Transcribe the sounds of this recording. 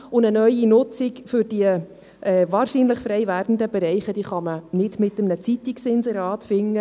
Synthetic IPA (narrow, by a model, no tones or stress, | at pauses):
ʊnənœjinʊt͡sikfʏɾd̥iə | ʔɛːvɑːɾʃiːnləχfɾɛjvæːɾd̥n̩dəb̥ɛɾɛɪχəd̥iːχɑmənɪd̥mɪtəmnət͡sitiksɪnsəɾɑːtfɪŋːə